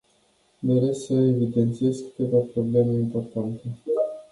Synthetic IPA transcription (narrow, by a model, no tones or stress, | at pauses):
d̪eɾest̪səevid̪e̞nt̪sie̞zkɨ̥t̪e̞vapɾo̞ble̞meimpo̞rt̪ant̪e